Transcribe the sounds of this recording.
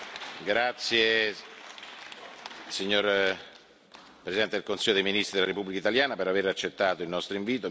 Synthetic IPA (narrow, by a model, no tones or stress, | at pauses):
ɡɾat̪sːje | siɲːor | pɾesid̪ɛnt̪ed̪elkonsilːod̪ejminist̪ɾid̪elaɾepubːlikait̪aljaːnapeɾaveɾat͡ʃːet̪ːaːt̪oilnɔst̪ɾoiɱviːt̪o